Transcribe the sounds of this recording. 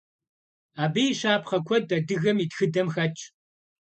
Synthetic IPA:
aːbijɕaːpχɐkʷʰɔd̚ɐdɨɣɐmitxɨdɐmxɐt͡ʃʼ

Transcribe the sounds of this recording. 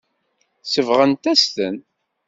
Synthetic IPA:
səvʁənt̪æst̪ə̰n

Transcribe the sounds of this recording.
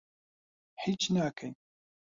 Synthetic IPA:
ħit͡ʃnaːkʰaj

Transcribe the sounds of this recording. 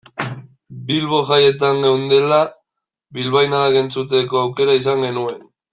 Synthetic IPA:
bilβo̞ʝaje̞t̪aŋɡewnd̪e̞la | βilβajnaðaɣe̞nt͡sut̪e̞ko̞awke̞ɾaisaŋɡe̞nue̞n

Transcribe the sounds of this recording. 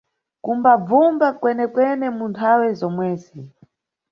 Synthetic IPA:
kumbab͡vumbakwɛnɛkwɛnɛmuntʰawɛzɔmwɛːzi

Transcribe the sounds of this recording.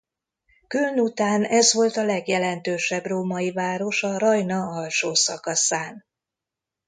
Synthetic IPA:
kylnut̪aːnɛzʋo̞lt̪ɒlɛɡjɛlɛnt̪øːʃɛbroːmɒivaːɾo̞ʃɒɾɒjnɒɒlʃoːsɒkɒsaːn

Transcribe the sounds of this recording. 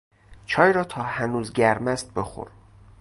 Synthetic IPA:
t͡ʃʰɒːjɾɒːt̪ʰɒːhænuːzɟæɾmæst̪̚be̞xo̰ɾ

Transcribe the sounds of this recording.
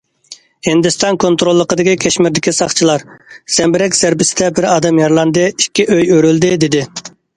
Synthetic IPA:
hind̪ɪst̪ɑnkʰont̪ɾolˠːəqəd̪ɪkʲikʲʰɛʃmɪɾd̪ɪkʲisɑχt͡ʃʰilˠɑɾz̥ɛmbɪɾɛkʲz̥æɾbɪsɪd̪ɛbɪɾɑːd̪ɑmjɑɾlˠɑnd̪ɨikʲːiʔøjøɾyld̪ɪd̪ɪd̪ɪ

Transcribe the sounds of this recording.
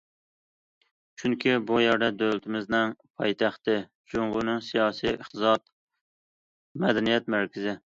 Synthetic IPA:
t͡ʃʰyŋkʲʰibujɛɾd̪ɛd̪ølt̪ʰɪmɪznɪŋpʰɑjt̪ʰæχt̪ɪ | d͡ʒoŋʁʊnɨŋsijɑːsijəχt̪ʰɨzɑt̪ | mɛd̪ɛnijɛt̪mæɾkʲʰɪzɪ

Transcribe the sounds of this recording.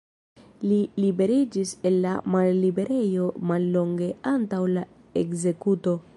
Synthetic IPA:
lilibe̞ɾid͡ʒise̞lːa̰malːibe̞ɾʔe̞jo̞malːo̞ŋɡeantawla | e̞kze̞kuto̞

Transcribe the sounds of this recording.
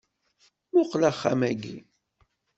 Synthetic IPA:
ʊqlæχːamæɡḭ

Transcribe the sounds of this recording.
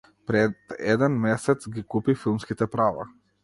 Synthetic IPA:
pɾɛd̪ɛ̰d̪ɛnmɛsɛt̪sɡikupifilˠmskit̪ɛpɾava̰

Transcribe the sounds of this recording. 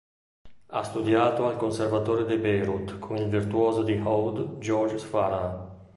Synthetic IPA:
a̰st̪ud̪jaːt̪oalkonservat̪oːɾed̪ebejɾut̪kʰuŋilvirt̪uɔːzod̪ihɔwd̪d͡ʒɔɾd͡ʒsfaɾa

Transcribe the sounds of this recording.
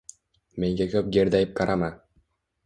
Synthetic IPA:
me̞ŋɡʲekʲʰɵp̚ɡʲeɾd̪ajɪp̚kʰɑɾama

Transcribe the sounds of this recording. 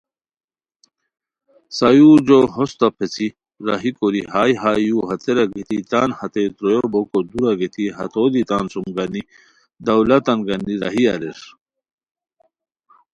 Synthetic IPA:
sajuːɾd͡ʑoɦost̪ɐpʰet͡si | ɾɐ̰ɦikoɾiɦaːjɦaːjuɦɐt̪eɾɐɡet̪it̪aːnhɐt̪et̪ɾojobokod̪uɾɐɡet̪iɦɐ̰t̪ʰoːd̪it̪aːnsumɡɐni | d̪ɐwlɐt̪ɐnɡɐniɾɐ̰ɦiɐ̰ɾes

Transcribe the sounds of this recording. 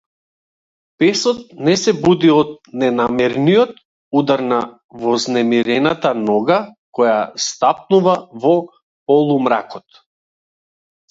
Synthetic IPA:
pɛsɔt̪̚nɛsɛbud̪iɔt̪̚nɛnamɛɾnijɔt̪ | ud̪aɾna | vɔznɛmiɾɛnat̪anɔɡakɔjast̪ap̚nuvavɔ | pɔlˠumɾa̰kɔt̪

